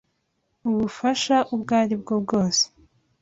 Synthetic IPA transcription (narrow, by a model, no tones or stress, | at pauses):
uβufaʃaʔubɡaːɾibɡob̚ɡo̞ːse̥